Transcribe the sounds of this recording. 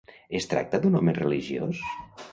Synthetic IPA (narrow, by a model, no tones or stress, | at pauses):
est̪ɾa̰k̚t̪əd̪unɔmereliʒio̰s